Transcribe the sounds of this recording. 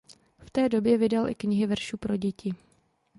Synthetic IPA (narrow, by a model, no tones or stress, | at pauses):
ft̪ɛːdo̞bjɛvɪdalʔɪ̰kɲɪɦɪvr̩ʃuːpɾo̞ɟɛcɪ